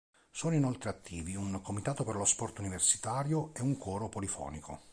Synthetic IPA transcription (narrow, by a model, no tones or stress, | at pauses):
sɔːnoinolt̪ɾeat̪ʰːiːviuŋkomit̪aːt̪operlospɔrt̪universi̥t̪aːɾjoeuŋkʰɔːɾopolifɔ̰ːnikʰo̰